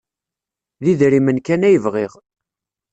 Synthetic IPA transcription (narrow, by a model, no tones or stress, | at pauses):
ðiðɾimənkænæjəvʁiʁ